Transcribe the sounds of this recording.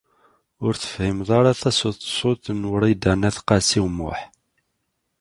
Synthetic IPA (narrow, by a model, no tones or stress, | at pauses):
ʊɾθə̥fhimðˤaɾˤɑθæsʊθsˤʊt̪ənwəɾˤid̪ænæθqɑsiwmʊ̰ħ